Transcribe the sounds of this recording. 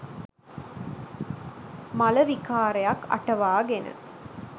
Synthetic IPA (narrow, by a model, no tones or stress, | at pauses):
mɐlɐʋikaːɾɐjakːɐ̰ʈɐʋaːɡenɨ̰